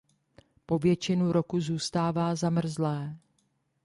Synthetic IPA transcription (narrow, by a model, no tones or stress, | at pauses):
po̞vjɛt͡ʃɪnuɾo̞kuzuːst̪aːvaːzamr̩zlɛː